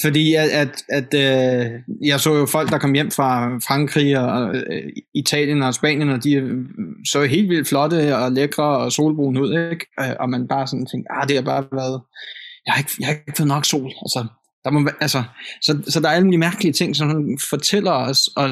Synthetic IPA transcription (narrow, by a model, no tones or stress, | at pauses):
fɒ̽d̥ḭːææd̥æd̥ø | jɑ̈ɪsɔ̰̽ːjo̝fɒ̽l̰ɡ̥̚d̥ɑ̈kʰɒ̽m̰jem̰fʁɑ̈fʁɑ̈ŋɡ̥ʰʁḭːɒ̽ | it͡sʰɛ̰ːljənɒ̽sb̥ɛ̰ːnjənɒ̽d̥i | sɔ̰ːɦe̝̰ːldʋil̰d̥flɒ̽d̥əɒleɡ̥ʁɐːɒ̽so̝̰ːlb̥ʁṵːn̩uð̰ˠeɡ̥øʔɒ̽mænb̥ɑ̈ːsɒ̽nt͡sʰeŋɡ̥̚d̥ɑd̥ehɑ̈b̥ɑ̈ːʋæɐðˠjɑhɑ̈e̝ɡ̥ə̥jahɑeɡ̥fɔːð̩ˠnɒ̽ɡ̥so̝̰ːlælsɒ | d̥ɑ̈mɒʋʔælsəsɒ̽sɒ̽d̥ɑ̈æɐæləuːlimæɐɡ̥əliət͡sʰe̝ŋ̰sɒ̽mhunfɒ̽t͡sʰel̰ɐɒsɒ̽